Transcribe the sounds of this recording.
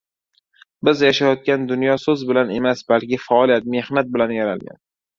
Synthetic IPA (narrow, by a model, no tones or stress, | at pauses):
bɪzjaʃajɒt̪̚kʲand̪ʊnjɒsɵzbɪlane̞masbalkʲɪfaːlijat̪̚me̞hnat̪̚bɪlanjaɾalɡʲa̰n